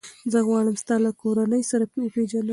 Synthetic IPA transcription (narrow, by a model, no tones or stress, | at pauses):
zəɣwɑɽəmst̪ɑlakʰoɾanəjsaɾapəwəped͡ʒala